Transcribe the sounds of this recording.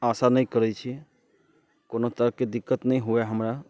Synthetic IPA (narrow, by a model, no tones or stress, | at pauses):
asanəĩkəɾɛt͡ʃʰi | konot̪əɾəked̪ikːət̪nəĩɦueɦəmɾa